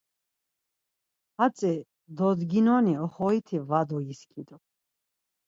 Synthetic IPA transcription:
hat͡sʼɛ | d̪ɔd̪ɡinɔniɔχɔit̪ʰivad̪ɔjiskʰʼid̪ɔ

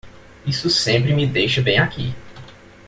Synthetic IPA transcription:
isʊsẽmpɾɪmid̪ejʃɐbẽj̃akḭ

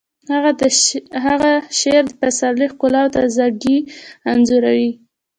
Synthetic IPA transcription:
haɣaɦaɣaʃeɾd̪əpasaɾlexkʊlɑwt̪azaɡianzuɾawi

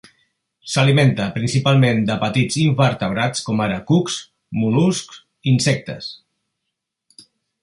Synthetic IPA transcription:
səliment̪əpɾinsipalˠmend̪əpət̪id͡ziɱfəɾt̪əβɾat͡skɔmaɾəkuks | mulusk | insɛk̚t̪əs

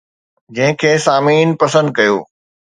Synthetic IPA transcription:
d͡ʑɐ̃ɦɪ̃kʰeːsaːmiːnpɐsə̃nd̪̚kɐjo̰ː

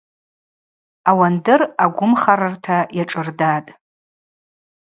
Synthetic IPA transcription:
awandɨraɡʷʊmχaɾartʰajaʈ͡ʂʼɨrdatʼ

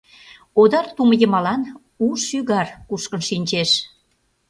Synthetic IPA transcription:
od̪ɑrt̪uməjəmɑlɑn | uʃyɣɑrkuʃkənʃinʲt͡ɕeʃ

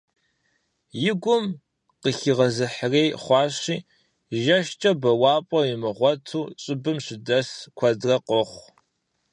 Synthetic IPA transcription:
jɪɡʷʊm | qəɬɨʁɐzɨħrejχʷɑːɕiː | ʒɐʃt͡ʃʼɐbɐwɑːpʼɔjɪmɨʁʷɔtʰuːɕʼɪbɨmɕɪdɐskʷʰɐdrɐqɔχʷ

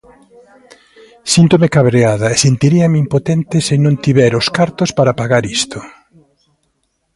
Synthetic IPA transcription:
sint̪omekaβɾeaðɐesent̪iɾiɐmeimpot̪ɛnt̪ɪsenõŋt̪iβɛɾʊskaɾt̪ospaɾapaɣaɾist̪o

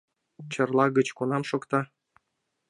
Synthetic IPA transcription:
t͡ɕɤ̆rlˠɑɣə̆t͡ɕkonɑmʃokt̪ɑ

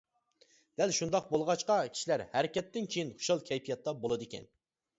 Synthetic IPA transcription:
d̪̥ælʃund̪ɑq̚bolˠʁɑt͡ʃqɑkʲʰi̥ʃilæɾhæɾɪkʲɛt̪ːɪnkʲʰejinχʊ̥ʃɑlˠkʲʰɛjpʰijɑt̪ʰːɑbolˠɨd̪ɪkʲʰɛ̰n

